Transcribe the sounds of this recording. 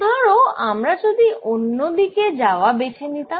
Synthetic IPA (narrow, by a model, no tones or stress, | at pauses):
t̪ɔɾoamɾad͡ʑod̪iʔonːod̪iked͡ʑaoabet͡ɕʰenit̪a